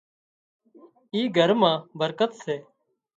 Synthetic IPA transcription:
iːɡʱəɾmãːbʱəɾkət̪seː

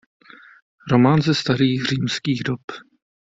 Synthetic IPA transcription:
ɾomaːnzɛst̪aɾiːxr̝iːmskiːɣdop

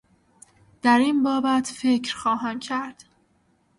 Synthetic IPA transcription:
d̪̥æɾiːnbɒːbæt̪ʰfecʰɾxɒːɦæmcʰæɾd̪̥

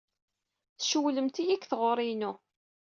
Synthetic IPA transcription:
θʃəwləmt̪ijikːθʁoɾˤinu

